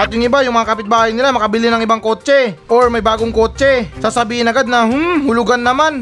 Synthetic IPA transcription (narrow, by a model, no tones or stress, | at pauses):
ʔɐt̪jʊŋʔɪbajʊŋmɐŋakɐpɪt̪̚baːhɐjnɪlamɐkɐbɪlɪnɐŋʔɪbaŋko̞ːt͡ʃɛʔoɹmɐjbaːɡoŋko̞ːt͡ʃɛsaːsɐbiːhɪnɐɡad̪̚nɐhʊmhʊlʊɡanːɐman